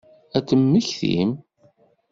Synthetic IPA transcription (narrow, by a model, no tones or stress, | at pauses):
æt͡sːəmːəçθḭm